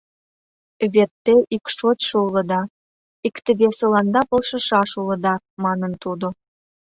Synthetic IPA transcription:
βet̪ːeʔikʃotʃoulə̆d̪ɑ | ikt̪ə̆βesə̆lɑnd̪ɑpɤ̆lʃɤ̆ʃɑʃulə̆d̪ɑ | mɑnənt̪ud̪o

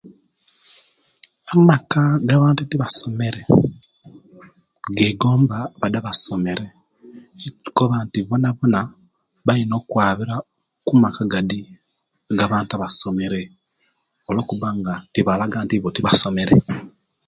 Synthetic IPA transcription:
amakaɡaβaːntutiβaso̞me̞ɾe̞ | ɡeːɡoːmbaβadaβaso̞me̞ɾe | koβantiβonaβona | βaino̞ːkwaːβiɾa | kumakaɡadi | ɡaβaːntaβaso̞me̞ɾe̞ | olo̞ːkuβaŋɡatiβalaɡaːntiβotiβasome̞ɾe

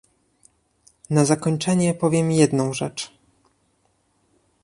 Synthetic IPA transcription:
nazakɔɲt͡ʂɛɲɛpɔvʲjɛmjɛd̪nɔ̃w̃ʐɛt͡ʂ

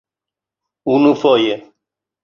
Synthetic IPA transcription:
unũfɔjɛ

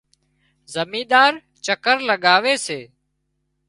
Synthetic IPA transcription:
zəmĩːd̪aːɾ | t͡ʃəkəɾləɠaːʋeːseː

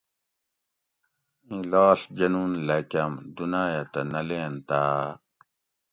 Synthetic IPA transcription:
ĩlaːɬd͡ʒɐnuːnlɐkʲɐmd̪unaːjat̪ɐnɐleːnt̪aː

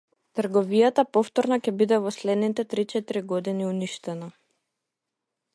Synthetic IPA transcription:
t̪r̩ɡɔvijat̪apɔft̪ɔɾnacʲɛbid̪ɛvɔslɛd̪nit̪ɛt̪ɾit͡ʃɛt̪ɾiɡɔd̪iniuniʃt̪ɛna

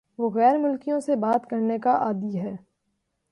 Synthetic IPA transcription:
ʋoɣɛːɾmʊlkijõsebaːt̪kɐɾnekaʔaːd̪iɦɛː

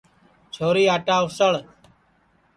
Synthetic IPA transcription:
t͡ʃʰoːɾiːaːʈaːʊsəɭ

